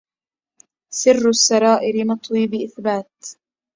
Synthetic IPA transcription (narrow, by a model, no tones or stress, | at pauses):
sɪrːʊsːɑɾˤɑːʔɪɾɪmɑt̪ˤwiːbɪʔɪθbaːt̪